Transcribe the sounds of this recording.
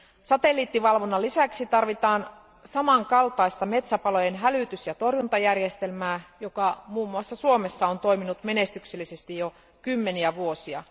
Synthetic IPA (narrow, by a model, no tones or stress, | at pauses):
sɑt̪e̞lːiːt̪ːiʋɑlʋonːɑlisæksit̪ɑrʋit̪ɑːn | sɑmɑŋkɑlt̪ɑist̪ɑme̞t̪sæpɑlo̞jenɦælyt̪ysjɑt̪o̞rjunt̪ɑjærjest̪e̞lmæːjokɑmuːmːuɑsːɑsuo̞me̞sːɑont̪o̞iminut̪me̞ne̞st̪ykselːise̞st̪ijo | kymːe̞niæʋuo̞siɑ̰